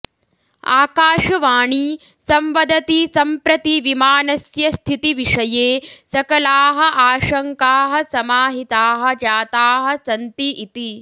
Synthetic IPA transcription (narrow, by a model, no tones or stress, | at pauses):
a̰ːkaːʂɐʋaːɳi | sɐmʋɐd̪ʱɐt̪isɐmpɾɐt̪iʋimaːnɐsjɐst̪ʰit̪iʋiʂɐjeːsɐkɐlaːɦɐʔaːʃɐŋkaːɦɐsɐmaːɦit̪aːɦɐ̆d͡ʒaːt̪aːɦɐ̆sɐnt̪iʔit̪i